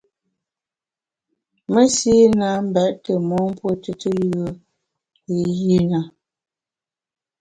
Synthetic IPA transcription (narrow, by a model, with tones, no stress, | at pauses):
mə˦si˦na˨˦m̩˦bɛ˨ʔtə˨mɔ˨˦m˦pwo˦tə˨tə˦jə˦ | i˨ji˦na˨